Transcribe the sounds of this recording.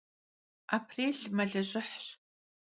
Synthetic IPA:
ʔaːpʰreːɮmɐɮɐʑɪħɕ

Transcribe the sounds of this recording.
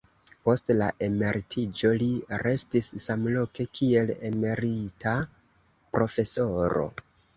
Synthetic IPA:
po̞stla̰ʔe̞me̞ɾitʰid͡ʒo̞liɾe̞stisːamlo̞ke̞kʰie̞lḛme̞ɾita | pɾo̞fe̞so̞ɾo̞̰

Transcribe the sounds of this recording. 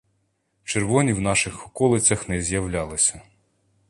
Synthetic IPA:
t͡ʃerʋɔnʲiwnɑʃɪxɔkɔlˠɪt͡sʲɐxnɛzʲjɐwlʲɑlˠɪsʲɐ

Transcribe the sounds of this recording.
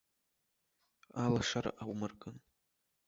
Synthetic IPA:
alaʂaɾ̰ʔawmɨrkʼɨn

